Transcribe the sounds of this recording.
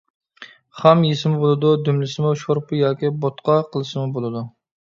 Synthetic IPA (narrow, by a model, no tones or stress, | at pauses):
χɛmjesɪmubolˠɨd̪ud̪ymlɪsɪmuʃoɾpɨjɑːkʲibot̪qʰɑqʰəlˠɨʃɨmubolˠɨd̪u